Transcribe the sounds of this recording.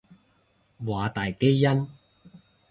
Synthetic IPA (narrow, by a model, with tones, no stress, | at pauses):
waː˨˧t̪aː˨jke˥jːɐ˥n